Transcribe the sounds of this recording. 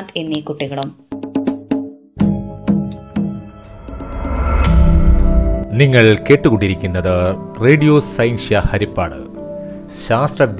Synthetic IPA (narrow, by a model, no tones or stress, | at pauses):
t̪enːikuʈːiɣɐɭum | niŋːɐɭke̞ːʈːɨkuɳːiɾikʲːunːɐðɨreːɖijoːsɐjnɕjɐhɐɾipːa̰ːɽɨ̰ | ɕaːst̪rɐd̪